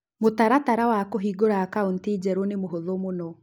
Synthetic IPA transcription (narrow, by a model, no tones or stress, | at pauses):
motaɾataɾawakoɦiɡoɾakaontid͡ʑɛɾonemoɦoðomonɔ